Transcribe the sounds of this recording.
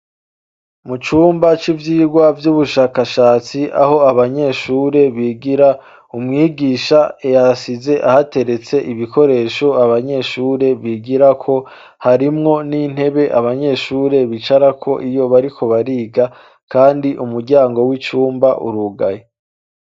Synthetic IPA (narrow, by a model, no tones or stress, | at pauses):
mut͡ʃuːmbat͡ʃivjiːɡwavjuβuʃaːkaʃaːt͡siʔa̰ɦo̞aβaɲe̞ʃuːɾe̞βiɡiɾa | umŋiːɡiːʃaejasize̞ʔahate̞ɾe̞t͡se̞ʔiβiko̞ɾe̞ːʃo̞aβaɲe̞ʃuːɾe̞βiɡiɾakʰo̞ | haɾimŋo̞nin̥he̞βe̞ʔaβaɲe̞ːʃuːɾe̞βit͡ʃaɾakʰo̞ʔijo̞βaɾikʰo̞βaɾiːɡa | kaːndiʔumuɾɟaːŋɡo̞wit͡ʃuːmbaʔṵɾuɡaje